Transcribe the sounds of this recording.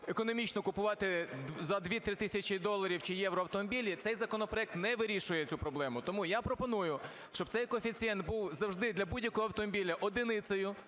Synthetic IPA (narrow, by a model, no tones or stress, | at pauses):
ekɔnɔmʲit͡ʃnɔkʊpʊʋɑt̪ɪzɐd̪ʋʲit̪ɾɪt̪ɪsʲɐt͡ʃid̪ɔlˠːɐɾʲiwt͡ʃɪjɛwɾɔɐwt̪ɔmɔbʲilʲit̪sɛjzɐkɔnɔpɾɔɛk̚t̪nɛʋɪɾʲiʃʊjɛt͡sʲupɾɔblˠɛmʊt̪ɔmujapɾɔpɔnujʊ | ʃt͡ʃɔb̚t̪sɛjkɔfʲit͡sʲiɛnt̪̚buwzɐwʒd̪ɪd̪lʲɐbudʲjɐkɔɦɔɐwt̪ɔmɔbʲilʲɐʔɔd̪ɪnɪt̪sɔjʊ